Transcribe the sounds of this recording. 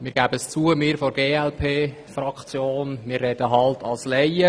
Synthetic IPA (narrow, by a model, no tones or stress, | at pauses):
mɪːɾɡ̥æːbəəst͡suəmɪːɾfoɾɡeːɛlpʰeː | frɑkt͡sjoːnmɪːrːɛdəɦɑltʰɑlslɛɪə